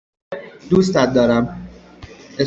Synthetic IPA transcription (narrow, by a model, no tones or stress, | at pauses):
d̪uːst̪æt̪̚d̪ɒːɾæm | e